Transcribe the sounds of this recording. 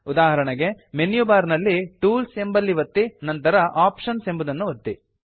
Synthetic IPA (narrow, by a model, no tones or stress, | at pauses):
ud̪aːɦɐɾɐɳɐɡe̞ | menjubaːɾnɐlːiʈuːlse̞mbɐlːiʋɐt̪ːinɐnt̪ɐɾɐʔaːpʂɐnsembud̪ɐnːuʋɐt̪ːi